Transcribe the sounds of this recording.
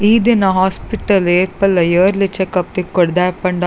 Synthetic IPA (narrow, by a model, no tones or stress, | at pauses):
iːd̪inɐɦaːspiʈɐleːpɐlɐjɐːɾlit͡ʃɐkɐp̚t̪ikːɔɽd̪aːpːɐɳɖ